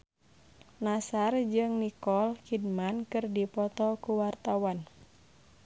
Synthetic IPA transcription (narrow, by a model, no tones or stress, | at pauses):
nasard͡ʒɨŋnikɔlkid̚mankɨrdipɔt̪ɔkuwart̪awan